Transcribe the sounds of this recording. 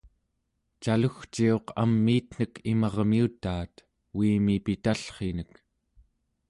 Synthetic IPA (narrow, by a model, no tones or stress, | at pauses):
t͡ʃaluxt͡ʃio̞qa̰mːiːt̪n̥əkʰimɑʁmiut̪aːt̪ | wiːmipit̪aɬχenək